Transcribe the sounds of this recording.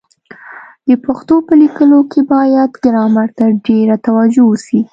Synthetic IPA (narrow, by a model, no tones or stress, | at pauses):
d̪̥əpaxt̪opəlikəlokʰebɑjad̪ɡɪɾɑmaɾt̪aɖeɾat̪awad͡ʒowəsi